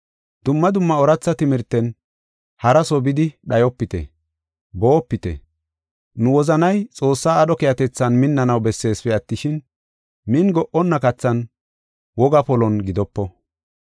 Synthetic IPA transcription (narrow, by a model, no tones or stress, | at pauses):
d̪̥ʊmːɐd̪ʊmːɐɔɾɐt͡sːɐt̪ɪmɪɾt̪ːɛn | hɐɾɐsɔbɪd̪ɪɗɐjɔpːɪt̪ɛ̰ | boːpːɪt̪ɛ̰ | nʊwɔzɐnɐjt͡sʼo̞ːsːaːɗɔkɛjɐt̪ɛt͡sːɐnmɪnːɐnɐwbɛsːe̞ːsfɛɐt̪ːɪʃɪn | mɪnɡɔʔɔnːɐkɐt͡sːɐn | wɔɡɐpɔlɔnɡɪd̪ɔpːɔ